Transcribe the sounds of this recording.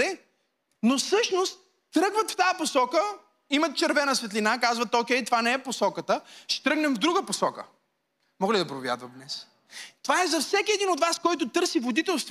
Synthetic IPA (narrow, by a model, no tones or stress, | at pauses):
ɛ | nosɤʃnost̪̚ː | ɾɤɡvət̪ft̪ajəposɔkə | imɐt̪̚t͡ʃɛɾvɛnɐsvɛt̪linakazvət̪okʲɛjt̪ovanɛɛposɔkət̪əʃɛ̥t̪ɾɤɡnɛmvd̪ɾuɡəposɔkə̰ | mɔɡlid̪ɐpɾovʲja̰d̪vət̪d̪nɛs | t̪ovaɛzɐfsɛkʲiɛd̪inot̪vaskɔjt̪ot̪ɤɾsivod̪it̪ɛlˠst̪v